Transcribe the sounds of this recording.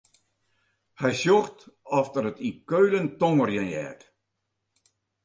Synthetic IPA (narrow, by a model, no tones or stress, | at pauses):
hɛjsjoxtɔftərətikøɥləntoŋərjənjɛ̰ːt